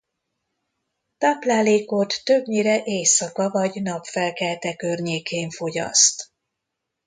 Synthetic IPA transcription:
t̪aːplaːleːko̞t̪ːøbɲiɾɛʔeːjsɒkɒvɒɟnɒpfɛlkɛlt̪ɛkørɲeːkʰeːɱfo̞ɟɒ̰st̪

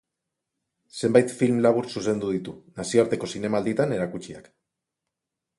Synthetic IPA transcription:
se̞mbajt̪filmlaβ̞uɾsuse̞nd̪uðit̪unasio̞aɾt̪e̞ko̞sine̞mald̪it̪ane̞ɾakut͡ʃia̰k

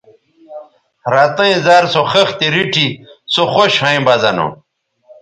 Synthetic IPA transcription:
ɾat̪ɐĩzaːɾsoxɐxt̪iɾiʈʰisoxoɕhãĩbɐzɐno̰

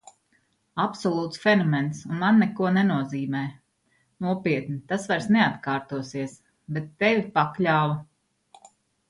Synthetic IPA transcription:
apsɔlˠuːt̪sfʲɛnɔmɛnt̪sunmanːɛkuɔnɛnuɔziːmɛː | nuɔpiɛt̪nit̪asvaɾsnɛat̪kaːɾt̪uɔsiɛəs | bɛt̪ːɛvʲipaklʲaːva

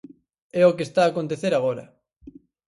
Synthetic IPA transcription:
ɛokest̪aːkont̪̬eθeɾaɣ̞oɾɐ̰

